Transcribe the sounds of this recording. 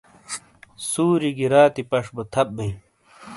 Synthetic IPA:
suːɾiɡiɾaːt̪ipɐʂbot̪ʰɐp̚bɐĩ

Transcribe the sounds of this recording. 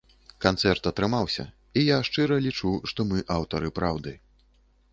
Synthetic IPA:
kant̪sɛrt̪ɐt̪ɾɨmawsʲɐ̰ | ijaʂt͡ʂɨɾɐlʲit͡ʂuʂt̪ɔmɨʔawt̪ɐɾɨpɾawd̪ɨ

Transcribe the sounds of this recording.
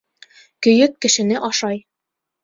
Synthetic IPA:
kɵ̆jɵkːɘ̆ʃɘ̆nɘʔɒʃɑj

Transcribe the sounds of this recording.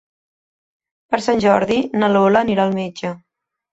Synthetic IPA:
pəɾsanʲʒɔɾðinəloləːniɾaəlˠmed͡ʒə

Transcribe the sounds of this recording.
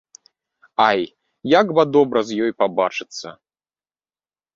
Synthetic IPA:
aj | jaɡbɐd̪ɔbɾɐzʲjɔjpabat͡ʂɨt̪sːɐ̰

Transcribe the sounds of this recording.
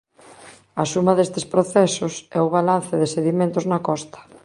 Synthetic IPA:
ɐsumɐðest̪ɪspɾoθɛsʊsɛʊβalan̟θɪðɪseðimẽnt̪ʊznɐkɔst̪ɐ̥

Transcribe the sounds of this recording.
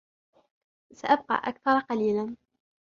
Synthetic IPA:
saʔab̚qɑ̰ːʔa̰kθɑɾˤɑqɑliːlan

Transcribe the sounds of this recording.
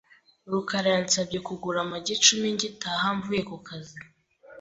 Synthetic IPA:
ɾukaɾaant͡sab̚ɟekuɡuɾamaɟet͡ʃumiɲɟitaːhaɱvujekukazi

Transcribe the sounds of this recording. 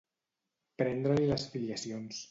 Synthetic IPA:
pɾɛnd̪ɾəliləsfiliəsions

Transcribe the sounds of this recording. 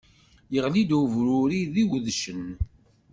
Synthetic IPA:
jəʁlid̪uvɾʊɾiðiwðʃən

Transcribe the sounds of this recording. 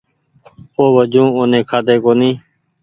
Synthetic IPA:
oːʋəd͡ʒũːoːnẽːkʰaːd̪eːkoːnĩː

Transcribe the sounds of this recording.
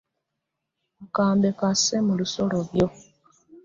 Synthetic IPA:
kaːmbe̞kasemuluso̞loβjo̞

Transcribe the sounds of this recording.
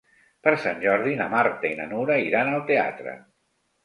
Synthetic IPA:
pəɾsanʲʒɔɾðinəmaɾt̪əinə̰nuɾəiɾanəlˠt̪ea̰t̪ɾə̰

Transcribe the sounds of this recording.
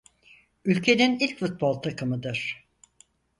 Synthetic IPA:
ylʲcʰe̞ninilʲcfut̪̚bolˠt̪ʰakʰɯmɯd̪ɯɾ̥

